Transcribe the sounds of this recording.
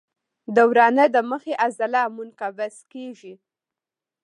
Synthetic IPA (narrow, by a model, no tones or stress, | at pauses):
d̪əwɾɑnəd̪əməxeʔazalɑmunkabaskeʒi